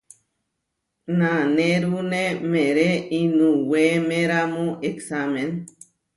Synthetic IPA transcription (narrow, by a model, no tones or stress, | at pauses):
nãneɾunemeɾeinũwemẽɾamõʔeksamẽn